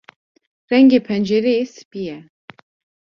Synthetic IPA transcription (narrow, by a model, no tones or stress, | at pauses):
rɛŋɡeːpʰɛnd͡ʒeɾesɨ̥pijɛ